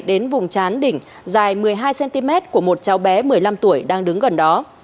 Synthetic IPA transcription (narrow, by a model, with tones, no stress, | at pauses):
ɗe˨˦nvʊ˨˩ŋ͡mt͡ɕaː˨˦nɗï˧˩ŋ̟ | zaː˨˩jmɨ˨˩əjɦaː˧jsɛ˧nt̪i˧mɛ˦˥t̚ku˧˩əmo˨˩t̚t͡ɕa˨˦wɓɛ˨˦mɨ˨˩əjla˧mt̪u˧˩əjɗaː˧ŋɗɨ˨˦ŋɣə˨˩nɗɔ˨˦